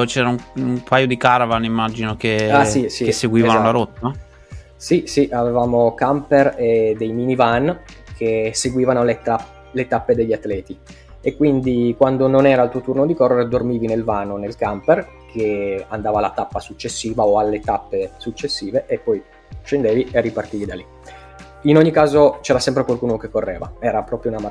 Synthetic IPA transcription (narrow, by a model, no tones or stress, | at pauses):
t͡ʃɛːɾauumpʰajod̪ikaɾavanimːad͡ʒinokeasisiesːeɡwiːvanolaɾot̪ːa | sisiʔavevaːmokampered̪ejminivankʰeseɡwiːvanolet̪a | let̪apːed̪eʎːat̪ːlɛːt̪i | ekːwind̪ikwand̪ononɛːɾalt̪uot̪urnod̪ikɔrːeɾed̪ormiːvinelvaːnonelkamper | kʰeand̪aːvalːat̪apːasut͡ʃːesːiːvaoalːet̪apːesut͡ʃːesːiːveʔepːɔj | ʃend̪eːviʔeripart̪iːvid̪ali | inoɲːikaːzot͡ʃɛːɾasɛmpɾekwalkuːnokekːorːḛːva̰ɛːɾapɾɔːpɾjounama